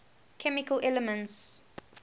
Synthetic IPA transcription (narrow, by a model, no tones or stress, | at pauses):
kʰɛmikəlʔɛləmə̃nts